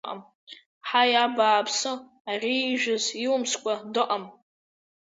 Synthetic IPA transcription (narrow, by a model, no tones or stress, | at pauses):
ʔa̰m | ħajabaːpʰsɨ | ariːʒᶣʊziwʊmskʷʼadɨʔam